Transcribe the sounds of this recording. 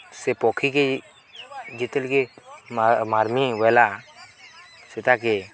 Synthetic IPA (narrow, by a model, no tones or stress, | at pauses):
sepɔːkʰike | d͡ʒɪt̪əlke | maːɾmiʋɛla | sɪt̪ake